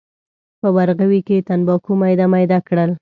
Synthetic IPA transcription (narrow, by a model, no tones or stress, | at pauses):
pəbaɾɣawiket̪anbɑkumajd̪amajd̪akɽəl